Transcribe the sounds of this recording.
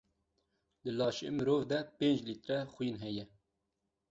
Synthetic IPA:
lɨlɑːʃḛmɨɾoːvd̪ɛpeːnd͡ʒlit̪ɾɛxʊjinɦɛjɛ

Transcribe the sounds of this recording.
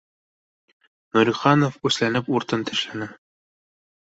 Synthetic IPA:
nɵɾʲiχɑnofʉslænɘpuɾt̪ɤnt̪ʰɘ̆ʃlænæ

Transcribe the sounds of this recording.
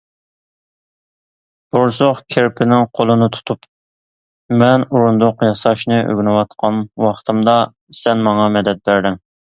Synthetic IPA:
b̥uɾsoχkʲʰeɾpʰɪnɪŋqʰolˠɨnɨt̪ʰu̥t̪ʰup | mɛnuɾund̪ʊqjɑsɑʃnɨʔø̰ɡʲnɨwɑt̪qʰɑnwɑχt̪ʰɨmd̪ɑ | sɛnmɑŋɑmɛd̪ɛt̪̚bæɾd̪ɪŋ

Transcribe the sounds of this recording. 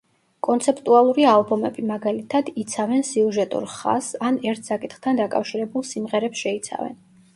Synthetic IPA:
kʼɔnt̪sʰɛpʰt̪ʼualˠuɾialˠbɔmɛbimaɡalit̪ʰad̪it̪sʰavɛnsiuʒɛt̪ʼṵɾχa̰sanɛɾt̪ʰsakʼit̪ʰχt̪ʰand̪akʼa̰fʃiɾɛbulˠsimʁɛɾɛpsʃɛit̪sʰa̰vɛ̰n

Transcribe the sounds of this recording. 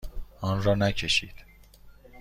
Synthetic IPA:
ɒːnɾɒːnæcʰeʃiːd̪̥

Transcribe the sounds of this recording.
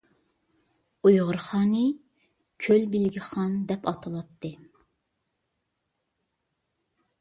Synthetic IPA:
ujʁʊɾχɑːnɨ | kʲʰølbɪlɡʲiχɑnd̪ɛpɑt̪ʰɨlˠɑt̪ʰːɨ

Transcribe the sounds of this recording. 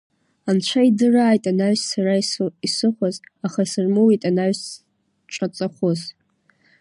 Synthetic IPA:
ant͡ʃʷʰaidɨraːjtʼanaɥssaraisisɨχʷazaχasɨrmɨwitʼanaɥs | t͡ʃʷʼat͡sʼaχʷʊz

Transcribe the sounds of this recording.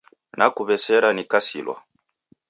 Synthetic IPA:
nʔakuβɛsɛɾanikasḭlwa̰

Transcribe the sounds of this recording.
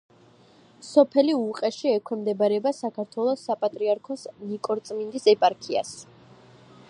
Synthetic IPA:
sɔpʰɛliuqʼɛʃiɛkʰʷwɛmd̪ɛbaɾɛbasakʰaɾt̪ʰwɛlˠɔsːapʼat̪ʼɾiaɾkʰɔsnikʼɔɾt̪sʼmind̪isɛpʼaɾkʰia̰s

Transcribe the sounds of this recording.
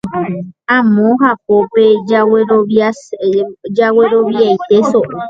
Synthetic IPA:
ãmõɦap̚opeaweo | d͡ʒaweɾoʋjajt̪eso

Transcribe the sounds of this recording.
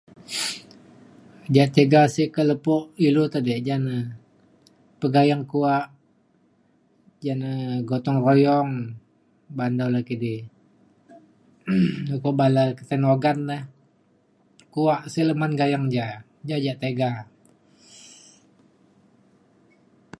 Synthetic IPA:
d͡ʒaʔt̪eɡasɪhkələpɔʔilut̪adɛʔd͡ʒanə | pəɡajaŋkuaʔ | d͡ʒanəɡot̪ɔŋrojɔŋ | bandawlakidi | ləpɔʔbalakət̪ənoɡanləh | kuaʔsihləmanɡajaŋd͡ʒa | d͡ʒad͡ʒaʔt̪eɡa

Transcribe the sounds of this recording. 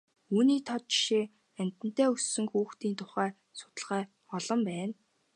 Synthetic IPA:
uːniːt̪ʰɔt̪̚t͡ɕi̥ʃi | æm̥ʲt̪ɘ̆n̥t̪æːɵsːɵ̆ŋxuːxt̪iːnt̪ʰʊχæː | sʊ̥t̪ə̆ɮʁæː | ɔɮɞ̆mpæːn

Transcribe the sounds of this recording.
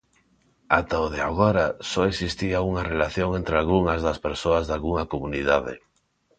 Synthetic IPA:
at̪aoðea̰ɣoɾasɔeksist̪iauŋarelaθjoŋent̪ɾealɣuŋazðaspeɾsoazðalɣuŋakomuniðaðḛ

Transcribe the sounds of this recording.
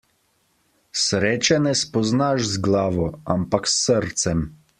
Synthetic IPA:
sɾeːt͡ʃɛnɛspɔznaʒzɡlaːʋɔa̰mpaksːəɾt̪sɛm

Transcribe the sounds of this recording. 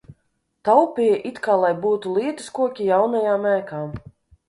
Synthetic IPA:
t̪awpʲijʔit̪kaːlˠajbuːt̪ulˠiɛt̪ɨskuɔkʲijawnajaːmæːkaːm

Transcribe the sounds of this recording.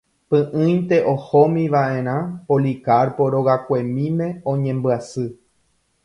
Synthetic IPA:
pɨ̃ʔɨ̃j̪t̪e̞ʔohomĩʋaʔẽ̞ɾ̃ãpolikaɾpoɾo̞ɣakʷe̞mĩmẽ̞õɲẽ̞mbɨasɨ

